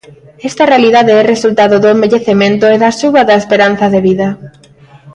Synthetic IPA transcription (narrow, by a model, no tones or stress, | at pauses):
ɛst̪ɐrealiðaðeɛresult̪aðoðoembeʎeθemẽnt̪oɛðaʃuβaðaespeɾan̟θɐðeβiðɐ